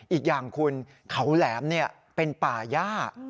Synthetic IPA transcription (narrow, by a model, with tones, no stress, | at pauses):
ʔiː˨˩k̚jaː˨˩ŋkʰu˧n | kʰa˦˥wlɛː˩˦mni˥˩ɐ | pe˧npaː˨˩jaː˥˩